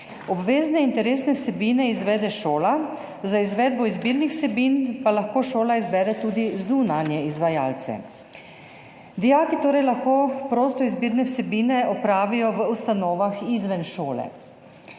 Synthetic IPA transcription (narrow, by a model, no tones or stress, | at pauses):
ɔbʋeːznɛint̪ɛɾeːsnɛwsɛbiːnɛizʋɛːd̪ɛʃoːla | zaizʋɛːd̪̚bɔizbiːɾnixwsɛbinpalaxkoːʃoːlaizbɛːɾɛt̪uːd̪izunanjɛizʋajaːlt̪sɛ̰ | d̪ijakit̪oːɾɛjlaxkoːpɾoːst̪ɔizbiːɾnɛwsɛbiːnɛɔpɾaːʋijɔʋəust̪anɔːʋaxizʋɛnʃoːlɛ̰